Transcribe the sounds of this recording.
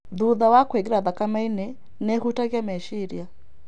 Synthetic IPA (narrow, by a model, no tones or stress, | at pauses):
ðuðawakweɡiɾaðakamainɛ | nɛhutaɣjamɛʃiɾja